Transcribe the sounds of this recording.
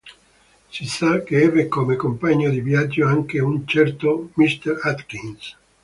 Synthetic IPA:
sisakːeɛvekomekompaɲːod̪ivjad͡ʒːoaŋkeunt͡ʃɛrt̪omist̪ɛɾat̪kins

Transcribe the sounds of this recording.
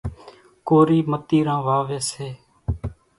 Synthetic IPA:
koːɾiːmət̪iːɾãːʋaːʋeːseː

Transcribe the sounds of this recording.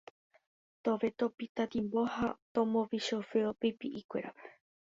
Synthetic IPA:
t̪oʋet̪opit̪at̪imbohat̪õmõʋiʃofeopipiʔikʷḛɾa̰pe

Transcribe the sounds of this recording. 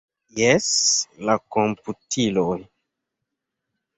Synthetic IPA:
jɛslakomputʰiloj

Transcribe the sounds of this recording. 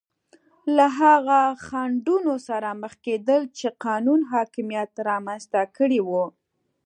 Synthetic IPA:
laɦaɣaxaɳɖunosaɾaməxked̪əlt͡ʃeqɑnunɦɑkɪmijat̪ɾɑmanzt̪akəɽiwu

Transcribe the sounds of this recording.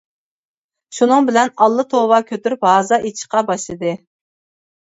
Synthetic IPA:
ʃunɨŋbɪlɛnɑlˠːɨt̪ʰowɑkʲʰøt̪yɾbɑːzɑit͡ʃʰi̥qɑbɑʃlˠɨd̪ɨ

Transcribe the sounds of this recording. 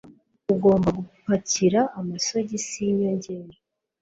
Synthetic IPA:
uɡo̞ːmbaɡukupaciɾaʔːmasoɟisiɲoɲɟeːɾo

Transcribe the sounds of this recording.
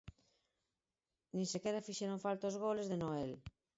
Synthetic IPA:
nĩnsekeɾafiʃeɾoɱfalt̪ozɣ̞olezðenoel

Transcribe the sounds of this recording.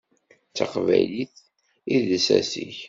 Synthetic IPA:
t͡sːaqvæjliθ | iðsæsiç

